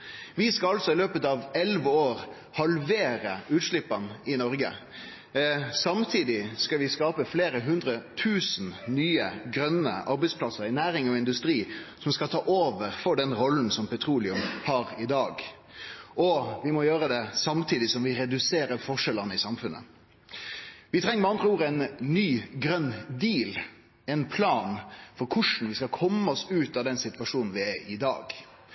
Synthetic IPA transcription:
ʋɪskɑɑlsɔɪløːpət̪ɑʋɛlʋəoːʁ | hɑlʋeːɾəʉːt̪ʂɭɪpːɑnɪnɔɾɡə̰ | sɑmt̪ʰiːd̪ɪskɑʋɪskɑːpəfleːɾəɦʉnd̪ɾət̪ʰʉːsn̩nyːəɡɾœnə̰ʔɑɾbæɪspʰlɑsəɾɪnæːɾɪŋɔɪnd̪ʉst̪ɾiːsɔmskɑlt̪ʰɑːʔoːʋəɾfɔɖɛnʁɔln̩sɔmpʰɛt̪ʰɾuːlɪʉmhɑːɾɪd̪ɑːɡ | ʔɔʋɪmɔjøːɾəd̪ɛsɑmt̪ʰiːd̪ɪsɔmʋɪɾɛd̪ʉseːɾəfɔʂɛlənəɪsɑmfʉnʔə̰ | ʋɪt̪ʰʁɛŋːəmɛɑnd̪ʁəuːɾəæɪnːyːɡɾœnd̪iːl | ɛnpʰlɑːnfɔɾkʰʊʂn̩ʋɪskɑlkʰɔmːəɔsʉːt̪ɑd̪ɛnsɪt̪ʋɑʂuːnn̩ʋɪæɪd̪ɑ̰ːɡ

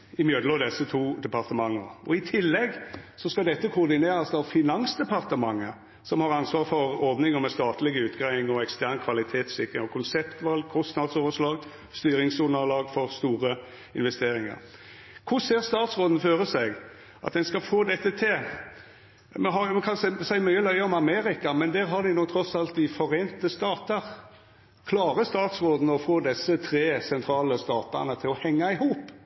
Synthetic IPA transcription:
ɪmjød̪lɔd̪ɛsət̪ʰuːd̪ɛpɑʁt̪əmɑŋːəʔɔɪt̪ʰɪlːɛɡsɔskɑd̪ɛt̪ːəkʰʊʁd̪ɪneːɾɑsɑːʋfɪnɑnsd̪ɛpɑʁt̪əmɑŋːə | sɔmhɑʁɑnsʋɑːʁfɔɾɔɾd̪nɪŋɔmɛst̪ɑːt̪lɪɡəʉːt̪ɡɾæɪɪŋɔɛkst̪æʁnkʰʋɑlɪt̪ʰeːt̪sɪkʁɪŋɔkʰʊnsɛpt̪ʋɑlɡ̚kʰɔst̪nɑd̪soːʋəʂlɑːɡ | st̪yːɾɪŋsuːnəɑlɑːɡfɔʁst̪uːɾə | ɪnʋɛst̪eːɾɪŋə̰ɾ | kʰʊɾseːʁst̪ɑːt̪sʁoːd̪n̩føːɾəsæɡ | ʔɑt̪d̪ɛnskɑfoːd̪ɛt̪ːət̪ʰɪl | mɛɦɑjɛkʰɑnssæɪmœʏəlœʏəɔmɑmeːɾɪkɑmɛnd̪æːɾɦɑʁd̪ɪnɔːɡ̚t̪ʰɾɔsɑlt̪̚d̪ɪfɔɾeːnt̪əst̪ɑːt̪əɾ | kʰlɑːɾəst̪ɑːt̪sʁoːd̪n̩ɔfoːd̪ɛsːət̪ʰɾeːsɛnt̪ʰɾɑːləst̪ɑːt̪ɑ̰ʁnət̪ʰɪlɔhɛŋːɑɪhuːp

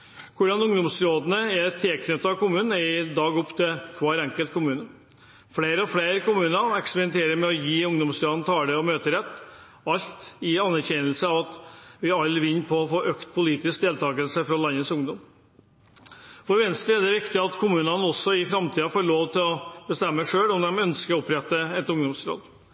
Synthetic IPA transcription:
kʰʊɖɑnʊŋd̪ɔmsɾoːd̪nəɛɾt̪ʰeːkʰnʏt̪ːɑɑʋkʊmʉːnn̩ɪd̪ɑːɡɔpːt̪ʰɪlkʰʋɑːɾɛŋkəlt̪̚kʰʊmʉːnə | fleːɾəɑfleɪɾkʊmʉːnɑɛkspɛɾɪnt̪ʰeːɾəɾmɛɔjiːʊŋd̪ɔmsɾoːd̪nət̪ʰɑːɖɛɔmøːt̪əɾɛt̪ː | ɑlt̪ɪɑnːæɾçɛnəlsəɑʋɑt̪ʋɪɑlːʋɪnːpʰɔːfoːʔøːkt̪pʰʊliːt̪ɪsk̚d̪eːlt̪ʰɑːɡəlsəfɾɔlɑnːəsʊŋd̪ɔm | fɔɾʋɛnst̪ɛd̪ɛʋɪkt̪ɪɑt̪kʰʊmʉːnənəɔsːɔɪfɾɑmt̪iːɑfoːɭoːʋt̪ʰɪlɔbəst̪ɛmːəʂøːlɔmd̪ɛmœnskəɾɔɔpɾɛt̪ːəɛt̪ʊŋd̪ɔmsɾo̰ːd̪

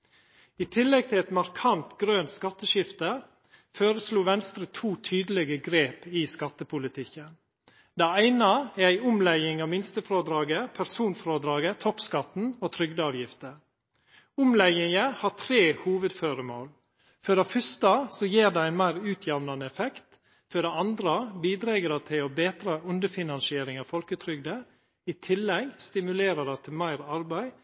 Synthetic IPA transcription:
ɪt̪ʰɪlːɛɡ̚t̪ʰɪlɛt̪mɑɾkʰɑnt̪ɡɾøːnt̪skɑt̪ːəʃɪft̪ə | føːɾəsluːʋɛnst̪ɾət̪ʰuːt̪ʰyːd̪əlɛɡəɡɾeːpɪskɑt̪ːəpʰʊlɪt̪ʰɪkːən | d̪æɪæɪnɑɛɾæɪʊmlæɪɪŋɑːʋmɪnst̪əfɾoːd̪ɾɑːɡəpʰæɾsuːnfɾoːd̪ɾɑːɡət̪ʰɔpskɑt̪n̩oːt̪ʰɾʏɡd̪əɑːʋjɪft̪ə | ʊmlɛɪɪŋəhɑːt̪ʰɾeːhuːʋəd̪føːɾəmo̰ːl | fɔɖɑfʏst̪əsɔjeːɾd̪ɛæɪnmæɪɾʉːt̪ʰjɛʋnɑnəɛfɛkt̪ | fœɖɛɑnd̪ɾəbiːd̪ɾeːɡəɖɑt̪ʰɪlobeːt̪ɾəʔʉnd̪əfɪnɑnsɪeːɾɪŋɑːʋfɔlkət̪ʰɾʏɡd̪ə | ɪt̪ʰɪlːɛɡst̪ɪmʉleːɾəɖɑt̪ʰɪlmæɪɾɑɾbæɪ

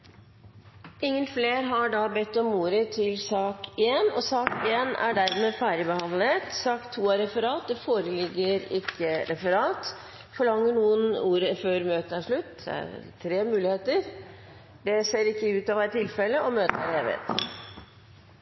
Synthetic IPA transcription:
ɪŋːənfleːɾɦɑɖɑbɛt̪ːɔmuːɾət̪ʰɪlsɑːkeːnɔsɑːkeːnæ̰ɖæɾmeːfæːɾɪbəhɑnlət̪sɑːkt̪ʰːuːæɾɛfəɾɑːt̪̚d̪ɛfoːɾəlɪɡːəɾɪkʰːəɾɛfəɾɑːt̪ | fɔɭɑŋːəɳuːənuːɾəføːɾmøːt̪əæʂɭʉt̪ːd̪ɛ̰æ̰ɾt̪ʰɾeːmʉːlɪheːt̪əɾ | d̪ɛseːɾɪkːəʉːt̪ɑːʋæɪt̪ʰːɪlfɛlːəɔmøːt̪əæ̰ɾhḛːʋə̰t̪

